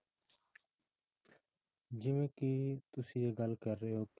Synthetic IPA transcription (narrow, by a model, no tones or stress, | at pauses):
d͡ʒɪmẽːkiːt̪ʊsijeːɡəlkəɾːeɦoːkː